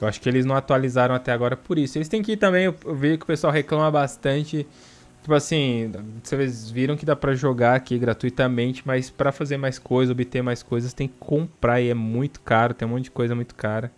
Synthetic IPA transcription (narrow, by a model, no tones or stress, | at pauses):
ewaʃʊ̥kɪelɪznɐ̃w̃at̪ualizaɾɐ̃w̃at̪ɛaɡɔɾɐpʊɾisʊelɪst̪ẽj̃kɪit̪ɐ̃mbẽj̃ʊewviʒʊkɪʊpesuawɦeklɐ̃mɐbast̪ɐ̃t͡ʃɪ | t͡ʃipʊasĩsevezviɾɐ̃w̃kɪd̪apɾɐʒoɡaɾakiɡɾat̪uit̪ɐmẽnt͡ʃɪ̥mɐjspɾɐfazeɾmajskojzɐzobit̪eɾmajskojzɐst̪ẽj̃kɪ̥kõmpɾaɾiɛmũj̃t̪ʊ̥kaɾʊt̪ẽj̃mõt͡ʃd͡ʒɪkojzɐmũj̃t̪ʊ̥kaɾɐ